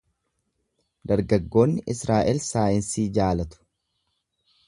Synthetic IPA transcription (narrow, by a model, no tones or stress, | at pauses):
d̪ɐɾɡɐɡːo̞ːnːɪʔɪsɾaːʔɛlsaːjɪnsiːd͡ʒaːlɐt̪ʊ̥